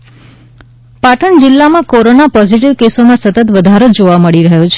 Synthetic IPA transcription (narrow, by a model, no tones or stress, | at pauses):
paʈəɳd͡ʒɪlːamãkoɾonapɔziʈiʋkesomãsət̪ət̪ʋəd̪ʱaɾod͡ʒoʋaməɭiɾəɦot͡ʃʰe